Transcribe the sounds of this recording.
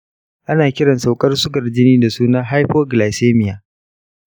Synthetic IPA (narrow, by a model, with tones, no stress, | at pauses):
ʔa˦naː˨kʲɪ˦ɽɐ˨nsa˨wkʼɐ˦rsʊ˦ɡɐ˨rd͡ʒɪ˦niː˦da˨suː˦na˦ɦa˦jɸoː˦ɡlaː˨seː˦mɪ˨jaː˨